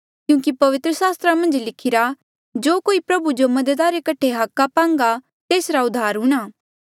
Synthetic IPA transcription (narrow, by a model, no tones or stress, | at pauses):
kjũːkipɐʋɪt̪ɾəsaːst̪ɾamɐ̃nd͡ʒlɪkʰɪɾa | d͡ʒoːkoːipɾɐbud͡ʒomɐd̪əd̪aɾekɐʈʰeɦɐkːapãːŋ̆ɡa | t̪eːsɾaʊd̪ʱːaːɾɦũːɽ̃aː